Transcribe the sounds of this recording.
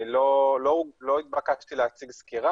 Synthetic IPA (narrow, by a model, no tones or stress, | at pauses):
lololoit̪̚bakat͡ʃt̪ileat͡siɡskiʁa